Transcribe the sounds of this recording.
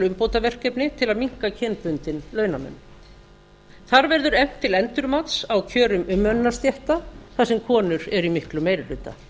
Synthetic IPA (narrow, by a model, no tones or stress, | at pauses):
lʏmpoːwt̪avɛr̥cɛpnɪt̪ʰɪlaðmiŋ̥kacʰɛnpʏnt̪ɪnlœːɥnamɛ̰nː | θaɾvɛɾðʏɾɛm̥t̪ʰːɪlɛnt̪ʏɾmat̪sawcʰœːɾʏmʏmːœnːast̪jɛht̪aθasɛmkʰɔːnʏɾɛɾimɪhklʏmːejɾɪlʏːt̪a̰